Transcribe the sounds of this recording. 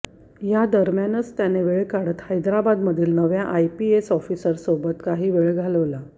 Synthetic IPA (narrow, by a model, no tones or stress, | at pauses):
jad̪əɾmjanət͡st̪janeʋeɭekaɽ̤ət̪hajd̪ɾabad̪məd̪ʱiːlnəʋjaʔajpiesɔfisəɾsobət̪kaɦiːʋeɭɡʱaləʋla